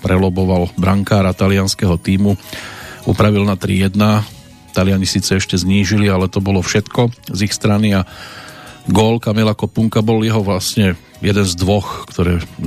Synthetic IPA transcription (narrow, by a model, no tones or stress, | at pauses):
pɾɛlɔbɔʋalbɾaŋkaːɾat̪alɪanskɛɦɔt̪iːmu | ṵpɾaʋilnat̪ɾḭjɛd̪na | t̪alɪaɲisiːt͡sɛɛʃcɛzɲiːʒilialɛt̪ɔbɔlɔfʃɛt̪kɔzixst̪ɾania | ɡɔːlkamilakɔpuŋkabɔljɛɦɔʋlasɲɛ | jɛd̪ɛnzd̪ʋɔxkt̪ɔɾɛː